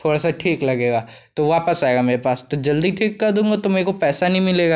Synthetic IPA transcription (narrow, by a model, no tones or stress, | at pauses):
t̪ʰoːɽasaʈʰiːklɐɡeːɡaː | t̪oʋaːpəsaːeɡameːɾepaːst̪od͡ʒɐld̪iʈʰiːkːɐɾd̪ũːŋɡat̪ʊmeekopɛːsanɐɦĩmɪleːɡaː